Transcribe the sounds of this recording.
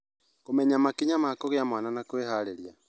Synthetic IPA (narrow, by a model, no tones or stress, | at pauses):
komɛɲamakiɲamaakɔɣeamwananakweɦaleɾia